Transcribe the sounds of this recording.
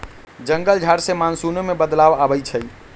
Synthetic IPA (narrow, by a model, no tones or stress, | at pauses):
d͡ʒəŋɡəld͡ʒʱaɾsemansunomebəd̪laʋabət͡ʃʰə